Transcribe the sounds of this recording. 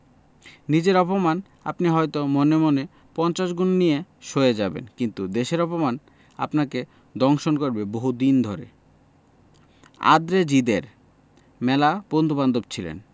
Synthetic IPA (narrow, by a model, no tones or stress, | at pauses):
nid͡ʑeɾɔpoman | a̰pniɦɔjt̪omonemone | pɔnt͡ɕaʃɡunnijeʃoed͡ʑabḛnkint̪ud̪eʃeɾɔpoman | a̰pnake | d̪ɔŋʃonkoɾbeboɦud̪ind̪ʱoɾḛ | a̰d̪ɾed͡ʑid̪eɾ | mɛlapond̪ʱuband̪obt͡ɕʰilḛn